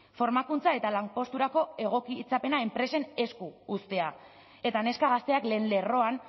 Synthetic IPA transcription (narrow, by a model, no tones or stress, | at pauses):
fo̞ɾmakunt͡sae̞t̪alampo̞st̪uɾako̞e̞ɣ̞o̞kit͡sape̞nae̞mpɾe̞se̞ne̞skuːst̪e̞a | e̞t̪ane̞skaɣast̪e̞akle̞ːnle̞ro̞an